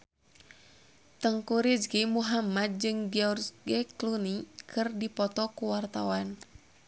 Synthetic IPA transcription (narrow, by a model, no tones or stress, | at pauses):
t̪əŋkuɾid͡ʒɡimuɦamad̪̚d͡ʒɨŋɡiɔrsɡɛklunikʰɨrdipɔt̪ɔkuwart̪awan